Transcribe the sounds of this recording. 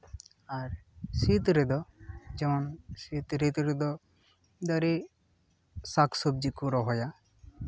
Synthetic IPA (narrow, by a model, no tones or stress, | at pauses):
aɾsit̪ɾed̪ɔd͡ʒɛmɔnsit̪ɾit̪ɾed̪ɔ | d̪aɾe | sakʰsob̚d͡ʒikuɾɔɦɔja